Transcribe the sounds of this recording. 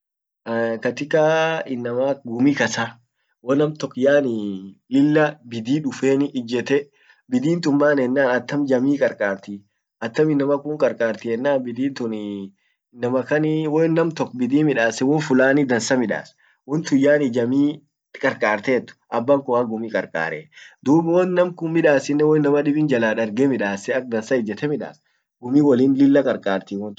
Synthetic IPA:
kɐt̪ɪkaːɪnːɐmaːɡʊmikɐsaː | wɔnɐmt̪ɔkːjaːnɪlɪlːɐbɪd̪iːᶑʊfeːnɪːd͡ʒɛt̪ɛ | bɪd̪iːnt̪ʊmbaːnɛnːaːnɐt̪ːɐmd͡ʒɐmiːkʼɐɾkʼaːɾt̪i | ɐt̪ːɐmɪnːɐmɐkʊŋkʼɐɾkʼaːɾt̪ɪɛnːaːnbɪd̪iːnt̪ʊn | nːɐmɐkɐnɪwɔnːɐmt̪ɔkːbɪd̪iːmɪᶑaːsɛwɔnfʊlaːnɪd̪ɐnsɐmɪᶑa̰ːs | wɔnt̪ʊjːaːnɪd͡ʒɐmiː | kʼɐɾkʼaːɾt̪eːt̪ːʊ̥ʔɐbːɐŋkʊaɡʊmiːkʼɐɾkʼa̰ːɾed̪uːbwɔnːɐmkʊnmɪᶑaːsɪnːɛwɔnːɐmɐᶑɪbɪnd͡ʒɐlaːᶑɐɾɡemɪᶑaːsɛɐk̚d̪ɐnsɐɪd͡ʒɛt̪ɛmɪᶑa̰ːs | ɡʊmiːwɐliːnlɪlːɐkʼɐɾkʼaːɾt̪iwɔnt̪

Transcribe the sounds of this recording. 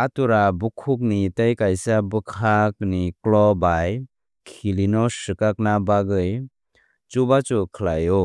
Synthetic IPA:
atuɾabukʰuk̚nitajkajsabɯkʰak̚niklɔbaj | kʰilinɔsɯkak̚nabaɡɯj | t͡ʃubat͡ʃukʰəlajɔ

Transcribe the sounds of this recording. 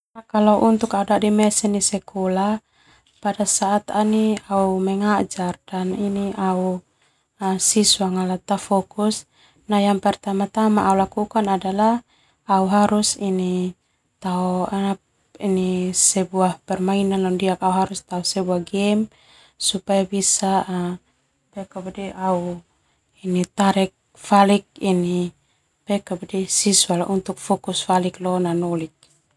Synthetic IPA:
nakalaʔunt̪ukaudadimɛsɛnisɛkɔla | padasaʔːt̪aniaumɛŋad͡ʒard̥aniniau | sisuaŋalat̪afɔkus | najaŋpɛrt̪amat̪amaːulakukanadala | auɦaɾusini | t̪aɔanap | inisɛbuahpɛrmainanɔndiakauɦaɾust̪aɔsɛbuahɡɛm | supajabisa | pɛkabadiʔau | init̪aɾɛk̚ | falik̚ini | pɛkabadisisualʔunt̪uk̚fɔkusfaliklɔnanɔlik̚

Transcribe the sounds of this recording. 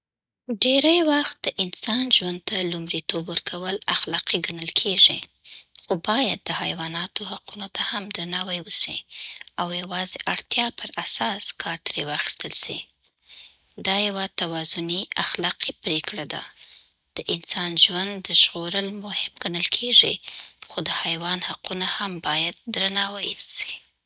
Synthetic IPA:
ɖeɾajwaxt̪̚d̪̥əʔɪnsɑnʒwand̪̚t̪alumɾit̪obwəɾkʰawəlaxlɑqiɡanəlkʰeʐi | xobɑjad̪̚ːəha̰jwɑnɑt̪ohaqunot̪ahamd̪ɾanɑwajwəsḭawjawɑzeʔaɽt̪jɑpəɾasɑskʰɑɾt̪ɾewɑxi̥st̪əlsi | d̪ɑjawat̪awɑzʊniaxlɑqipɾekɽad̪a̰ | d̪̥əʔɪnsɑnʒwand̪ːəʃɣoɾəlmʊhɪmɡanəlkʰeʐixod̪əhajwɑnhaqunahambɑjad̪̚ːɾanɑwajwsi̥

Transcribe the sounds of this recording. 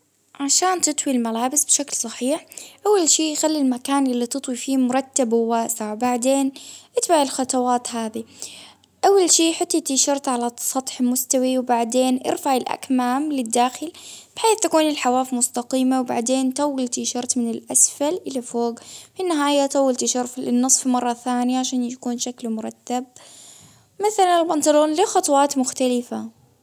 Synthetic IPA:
ʕaʃaːnt̪ɨt̪ˤwilmalaːbɪsbʃaklsˤɑħiːħʔawːalʃiːxalːilmakaːnʔɪlːit̪ɨt̪ˤwifiːmʊɾˤɑt̪ːabhʊwaːsaʕwbaʕd̪eːnʔɪt̪baʕɪlxɑt̪ˤɑwaːt̪ɦaːði | ʔawːalʃiːħɪt̪ːat̪ɪʃɑɾˤt̪ʕalasˤɑt̪ˤħmʊst̪awiwbaʕd̪eːnʔɪ̰ɾfaʕɪlʔa̰kmaːmlɪd̪ːaːxɪlb̥ɪħeːθt̪akuːnɪlħawaːfmʊst̪aqiːmawba̰ʕd̪eːnt̪ɑwːɪlt̪ɪʃɑɾˤt̪mɪnɪlʔasfalʔɪlafoːɡfinːɪɦaːjat̪ˤɑwːɪlt̪ɪʃɑɾˤfɪnːɨsˤfimɑrˤːɑθaːnɪjaʕaʃaːnjakuːnʃaklmʊɾˤɑt̪ːab̚ | maθalanɪlbɑnt̪aloːnlɪxɑt̪ˤɑwɑːt̪mʊxt̪alɪfa

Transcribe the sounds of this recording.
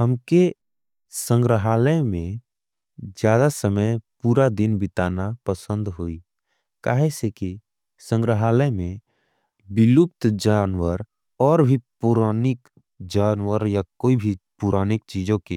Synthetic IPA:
ɦəmke | sə̃ŋɡɾəɦaːləemẽ | d͡ʒjaːd̪asəməjpuːɾad̪ɪnbɪt̪aːnapəsə̃nd̪ɦoːi | ka̰ːɦeseki | sə̃ŋɡɾəɦaːləmẽ | bɪlup̚t̪d͡ʒaːnwəɾ | ɔːɾbʱipuɾaːnɪk | d͡ʒaːnwəɾjakoːibʱipuɾaːnɪkt͡ʃiːd͡ʒõke

